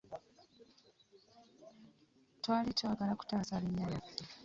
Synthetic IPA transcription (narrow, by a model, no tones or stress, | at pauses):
twaːlitwaːɡalaku̥taːsaliɲːala